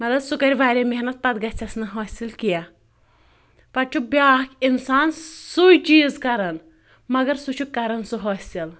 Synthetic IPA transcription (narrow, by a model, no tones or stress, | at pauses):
mɐt̪lɐbsukɐɾʲʋaːɾʲemeɦnɐt̪̚pɐt̪ɡɐt͡sʲʰɐsnɨɦɔːsilkija | pɐɾt͡ʃʰubʲaːkʲinsaːnsujt͡ʃiːzkɐɾɐn | mɐɡɐɾsut͡ʃʰukːɐɾɐnsuɦoːsʲil